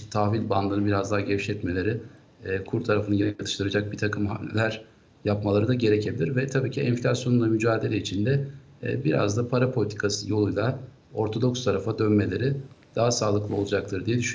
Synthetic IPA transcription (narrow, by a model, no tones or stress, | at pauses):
t̪ʰaːvilʲband̪ˠɯnɯbiɾazd̪aːɟeviʃɛt̪me̞lʲe̞ɾɪ | kʰuɾt̪ʰaɾafɯnɯɟenɛkʰat̪ʰɯʃt̪ʰɯɾad͡ʒak̚bit̪ʰakɯmɦa̰mlʲḛlʲæɾ̥ | japmalˠaɾɯd̪aɟe̞ɾecʰe̞bilʲiɾvɛt̪ʰabiːcʰiɛnflʲasjo̞nund̪amyd͡ʒaːd̪e̞lʲɛit͡ʃʰind̪ɛ̰ | biɾa̰zd̪apʰaɾapʰo̞lʲit̪ʰi̥kʰasɯjo̞lˠujlˠa | o̞ɾt̪ʰo̞d̪o̞kst̪ʰaɾafad̪ønme̞lʲe̞ɾɪd̪̥aɦasaːlˠɯklˠɯo̞lˠud͡ʒak̚t̪ʰɯɾd̪ijɛd̪yʃyn